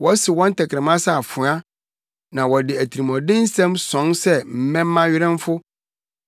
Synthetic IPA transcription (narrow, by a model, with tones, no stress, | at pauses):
wɔ˦sɪ˨wɔ̃˦n̩˦tʰɛ˨kʰɪ̃˨mã˦sa˦˨a˨fʊ˨˦ã˦ | nã˨wɔ˨dɪ˨æ˨tʰi˨ɾi˨mɔ̃˨dɪ̃˦n̩˦sɛ̃˦msɔ̃˨˦nsɛ˦m̩˨˦mɛ̃˦m̩ː˦ã˦ɥɪ˦ɾɛ̃˦m˦fʊ˦